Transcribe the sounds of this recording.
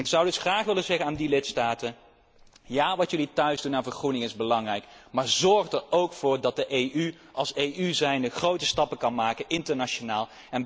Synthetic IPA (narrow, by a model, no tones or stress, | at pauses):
ɪksʌwdɵsχraːχʋɪləzɛχənaːndilɪtstaːtən | jaːʋɑtjɵlitœɥzdunaːnvəɹχrunɪŋɪzbəlɑŋrɛjkmaːɹzɔɹχdəɹowkfʊːɹdɑt̚dəʔejʔyʔɑlˠsejʔyzɛjnəχrowtəstɑpəkɑnmaːkənʔɪntəɹnaʃonaːlˠ | ɛn